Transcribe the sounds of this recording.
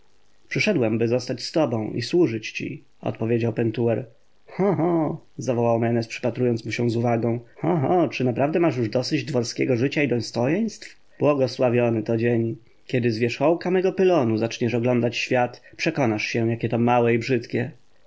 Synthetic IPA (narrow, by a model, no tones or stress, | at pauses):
pʂɘʂɛd̪wɛmbɘzɔst̪at͡ɕst̪ɔbɔ̃w̃ʔḭswuʐɘt͡ɕt͡ɕḭ | ɔ̰t̪̚pɔvʲjed͡ʑawpɛnt̪uɛɾ | xɔɦɔzavɔwawmɛnɛspʂɘ̥pat̪ɾujɔnt̪smuɕɛ̃zuvaɡɔ̃w̃hɔɦɔt͡ʂɘnapɾavd̪ɛmaʂ̬juʐd̪ɔsɘd͡ʑd̪vɔɾskʲɛɡɔʐɘt͡ɕaid̪ɔ̃jst̪ɔjɛj̃st̪f | b̥wɔɡɔswavʲjɔnɘt̪ɔd͡ʑeɲ | kʲɛd̪ɘzvʲjɛʂxɔwkamɛɡɔpɘlɔnuzat͡ʂɲɛʂɔɡlɔnd̪at͡ɕɕfʲjat̪pʂɛkɔnaʂɕɛ̃jakʲɛt̪ɔmawɛibʐɘt̪kʲɛ